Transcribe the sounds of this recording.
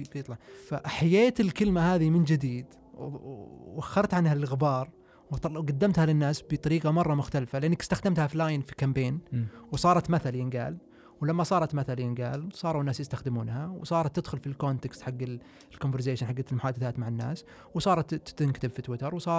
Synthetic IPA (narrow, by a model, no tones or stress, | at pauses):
fit̪ˤlfaħajeːt̪ɪlkɪlmahaːðimɪnd͡ʒɪd̪iːd̪ | axːɑɾˤt̪ʕanhalɪlɣɪbɑːɾˤ | wɡad̪ːamt̪halɪnːaːsbɪt̪ˤɑɾiːqɑmɑrˤːɑmʊxt̪alfalɪʔɪnːakɪst̪axd̪amt̪haflaːjɪnfikambeːnwsˤɑːɾˤɑt̪maθaljɪnɡa̰ːl | wlamːasˤɑːɾˤɑt̪maθaljɪnɡa̰ːlsˤɑːɾˤuwnːaːsjɪst̪axd̪ɪmuːnhawsˤɑːɾˤɑt̪ːɪd̪xʊlfilkoːnt̪ekst̪ħaɡːɪ | lkomvɪɾz̬eːʃɪnħaɡːalmʊħaːd̪ɪθaːt̪maʕɪnːa̰ːs | wsˤɑːɾˤɑt̪ːt̪ɪnkt̪ɪbfit̪wɪt̪ɑɾˤwsˤɑː